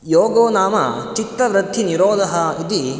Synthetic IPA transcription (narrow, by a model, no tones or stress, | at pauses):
joːɡoːnaːmɐ̰t͡ʃit̪ɾɐʋɾɐd̪ʱːiniɾoːd̪ʱɐɦɐid̪i